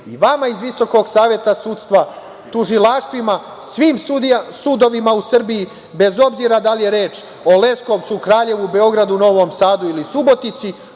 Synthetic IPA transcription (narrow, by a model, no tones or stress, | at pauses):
iʋamaizʋiso̞ko̞ɡsaːʋje̞t̪asuːt̪st̪ʋa | t̪uʒilˠaʃt̪ʋima | sʋiːmsuːd̪o̞ʋimausr̩biji | be̞zo̞bziːɾad̪alije̞ɾeːt͡ʃ | o̞le̞skoʋt̪sukɾaːʎe̞ʋube̞o̞ɡɾad̪uno̞ʋo̞ːmsaːd̪uilisubo̞t̪nit̪si